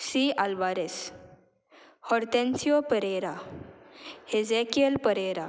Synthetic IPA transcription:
sialbaɾes | hɔɾt̪ẽnsiopəɾeɾa | hezekiəlpəɾeɾa

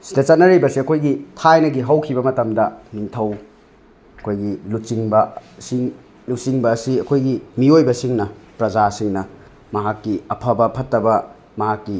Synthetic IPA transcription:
si̥dɐt͡ʃɐt̚nɐɾibɐsiɐkʰojɡitʰajnɐɡiɦɐwkʰibɐmɐtɐmdɐniŋtʰɐw | ɐkʰojɡilusiŋbɐsiŋ | lusiŋbɐːsiɐkʰojɡimiojbɐsiŋnɐpɾɐzasiŋnɐ | mɐɦakːiɐpʰɐbɐpʰɐtːɐbɐ | mɐɦakːi

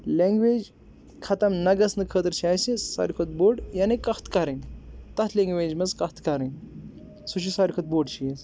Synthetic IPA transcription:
leŋɡʋed͡ʒ | kʰɐt̪ɐmnɐɡɐsnɨkʰəːt̪əɾt͡ʃʰiajsesɐ̰ɾikʰot̪̚boːɖjanekɐht̪kɐɾint̪ɐt̪ʰleŋɡʋed͡ʒmɐzkɐht̪kɐɾɐn | suʃʰisaɾʲikʰɐt̪̚boɖt͡ʃʰijes

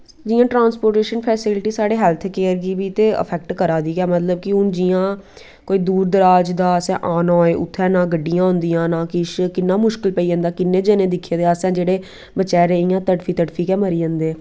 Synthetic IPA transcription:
d͡ʒiːãːʈɾãːnspoːɾʈeːʃənpʰɛːsɪlʈiːsaːɽeːɦɛːlt̪ʰkeːəɾɡiːbiːt̪eːə̰pʰɛːk̚ʈkəɾaːd̪iːɡɛːmət̪ləb̚kɪʊnd͡ʒiːãː | koːiːd̪uːɾd̪əɾaːd͡ʒd̪aːəsɛ̃ːʔaːnɔ̃ːeːʔʊ̰t̪ʰːɛ̃ːnãːɡəɖːijãːɦʊ̃nd̪ijãːnãːkɪʃkɪnːaːmʊʃkɪlpəiːə̃nd̪aːkɪnːẽːd͡ʒɛːnẽːd̪ɪkʰːẽːd̪eːaːsɛ̃ːd͡ʒeːɽeː | bət͡ʃɛːɾẽːɪjãːt̪əʈfʰiːt̪əʈfʰiːkɛːməɾiːə̃nd̪eː

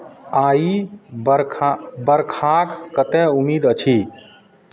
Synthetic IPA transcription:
aːiɾbəɾkʰakːət̪ɛumiːd̪ət͡ʃʰi

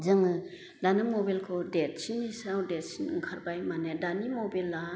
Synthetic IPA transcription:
zɯŋɯ | danimɔbelkʰɔdet̚sinːisawdet̚sinŋkʰaɾbajmanedanimobela

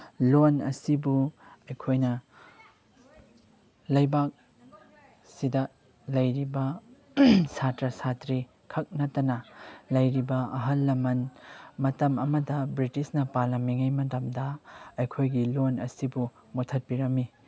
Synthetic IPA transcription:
lonɐ̰sibuɐjkʰojnɐ | lɐjbak̚ | sidɐ | lɐjɾibɐ | satɾɐsatɾi | kʰɐk̚nɐtɐnɐlɐjɾibɐɐɦɐlːɐmɐnmɐtɐmɐmɐdɐbɾitisnɐpaɾlɐmːiŋɐjmɐtɐmdɐɐjkʰojɡilonɐsibu | motʰɐt̚piɾɐmi

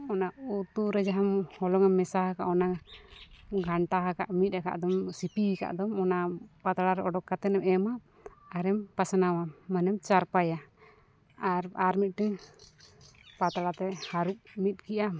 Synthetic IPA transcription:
ɔnaut̪uɾɛd͡ʒaɦamhɔlɔŋamɛsahaka̰ʔɔna | ɡʱaɳʈaɦakaʔmit̪̚ˀɾaka̰ʔd̪ɔmsipika̰ʔd̪ɔmɔnapat̪aɽaɾɛɔɖɔkːat̪ɛnɛmɛmaʔː | ɾɛmpasanawamanɛmt͡ʃaɾpaja | aɾaɾmit̪̚ʈɛ | pat̪aɽat̪ɛhaɾuʔ̚mit̪̚kiʔa

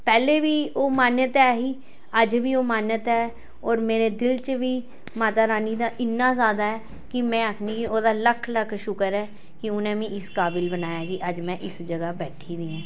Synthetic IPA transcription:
pɛːleːʋiːoːmaːnjət̪ɛːɦiː | əd͡ʒʋiːoːmaːnət̪ɛː | ɔːɾmeːɾeːd̪ɪlt͡ʃʋiː | maːt̪aːɾaːniːd̪aːʔɪnːaːzaːd̪aːɛː | kɪmɛ̃ːəkʰniːkioːd̪aːləkʰləkʰʃʊkəɾɛː | kɪʊnẽːmĩːɪskaːbɪlbənaːjaːkiʔəd͡ʒmɛ̃ːʔɪsd͡ʒəɡaːbɛːʈʰiːdiːãː

